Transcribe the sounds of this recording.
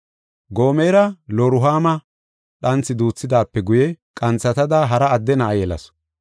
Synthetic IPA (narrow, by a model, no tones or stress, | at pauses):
ɡoːmeːɾɐloɾʊɦaːmɐ | ɗɐnt͡sːɪd̪uːt͡sːɪd̪aːpːɛɡʊjɛ | kʼɐnt͡sːɐt̪ɐd̪aɦɐɾɐːd̪ːɛnɐːjɛlɐ̰s